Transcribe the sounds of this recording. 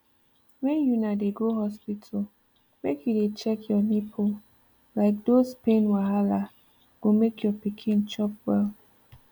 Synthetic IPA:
wɛ̃njunadeɡoɦɔspitʰal | mekjudet͡ʃɛkʰjɔnipʰo | laɪk̚dospẽnwaɦala | ɡ̥omekjɔpikʰĩnt͡ʃɔp̚wɛl

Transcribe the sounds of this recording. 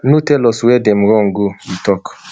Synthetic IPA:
nutɛlɔsuwɛdɛm̩ɾɔŋ̩ɡoitɔk

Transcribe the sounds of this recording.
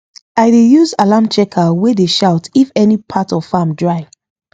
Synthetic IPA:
aɪdejuzalãmt͡ʃɛkʰawɛdeʃaʊtifɛnipʰatɔv̥famdɹaɪ

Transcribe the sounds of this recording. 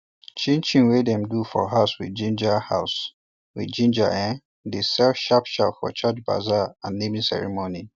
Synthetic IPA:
t͡ʃĩnt͡ʃĩnwedɛ̃mdufɔ̰ɦaʊswid͡ʒĩnd͡ʒahas | wḭd͡ʒĩnd͡ʒaʔɛ̃ | disɛlfʃapʃa̰pfɔ̰t͡ʃat͡ʃba̰zaãnːemĩsɛ̰ɹḭmoni

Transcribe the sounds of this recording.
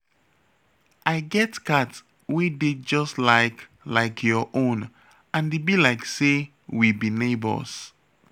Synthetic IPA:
ʔaɪɡɛtkat | wided͡ʒɔstlaɪk | laɪkʰjɔʔõn | ãndebilaɪkse | wibinebə̰s

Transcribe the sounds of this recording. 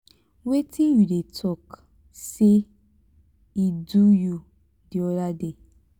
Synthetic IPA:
wetʰĩjudetʰɔk | se | iduju | diɔdade

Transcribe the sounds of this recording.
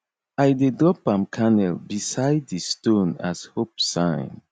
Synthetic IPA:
aɪdedɹɔpãmkʰanɛlbisaɪdðistõna̰zhopsãɪ̃n

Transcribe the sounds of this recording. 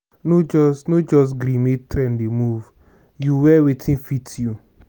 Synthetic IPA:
nod͡ʒɔsnod͡ʒɔs̬ɡɾĩmetɾɛ̃ndemuv | juwɛwetʰĩnfitju

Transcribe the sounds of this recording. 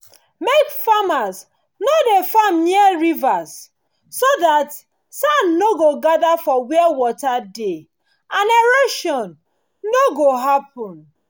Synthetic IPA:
mekfamaz | nodefamniɛɹivaz | soðat | sanːoɡoɡadafɔwiɛwɔtade | ãneɾoʃɔ̃n | noɡoɦap̚ɔ̃n

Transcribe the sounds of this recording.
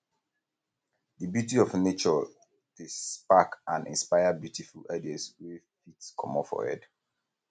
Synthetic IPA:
dəbjutiɔvnet͡ʃɔ | d̥espakãnḭ̃nspaɪabjutʰifuladiaswɛfitskʰɔ̰mɔfɔ̰hɛ̰d

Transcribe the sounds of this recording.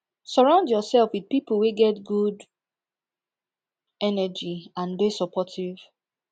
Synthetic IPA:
sɔɹãʊ̃ndjɔsɛlfwið̚piplweɡɛtɡud | ɛnɛd͡ʒiãnbesɔpʰɔtʰiv̥

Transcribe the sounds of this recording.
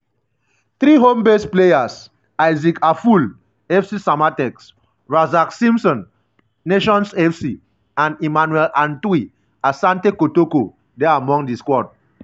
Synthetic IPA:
θɹiɦõmbestplejas | ajzikʰaful | ɛfsisamatɛks | ɹazaksĩmsɔ̃nː | eʃɔ̃nsɛfsi | ãnimanwɛlãntwi | asãntekotoko | dɛaamɔ̃ŋdiskɔd̚

